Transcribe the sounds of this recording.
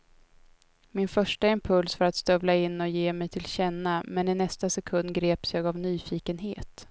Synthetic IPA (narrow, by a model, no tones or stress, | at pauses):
mɪnfœʂʈaɪmpʰɵlsfœɾat̪st̪œvlaɪnːɔjeːmɛjt̪ʰɪlɕɛnːamɛnɪnɛst̪asɛkʰɵnd̪ɡɾeːpsjɑːɡavnyːfiːkənɦeːt̪